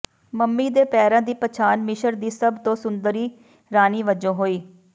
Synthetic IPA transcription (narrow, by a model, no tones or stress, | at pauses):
məmːiːd̪eːpɛːɾãːd̪iːpət͡ʃʰaːnmɪʃəɾd̪iːsəbt̪õːsʊnd̪əɾiː | ɾaːniːʋəd͡ʒõːɦoːiː